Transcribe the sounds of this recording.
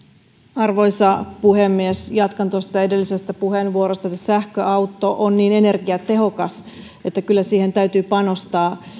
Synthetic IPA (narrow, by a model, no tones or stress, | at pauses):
ɑrʋo̞jsɑpuhe̞mːiesjɑt̪kɑnt̪ost̪ɑe̞delːise̞st̪æpuɦe̞nʋuoɾo̞st̪ɑet̪ːæsæhkøʔɑwt̪ːo̞ʔonːiːne̞ne̞rɡiɑt̪e̞ɦo̞kɑs | e̞t̪ːækylːæsiːhe̞nt̪æyt̪yːpɑno̞st̪ɑː